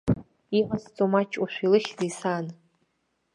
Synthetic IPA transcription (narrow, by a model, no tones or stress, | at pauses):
iqast͡sʼomat͡ʃʰʼuʃʷilɨχʲzejsan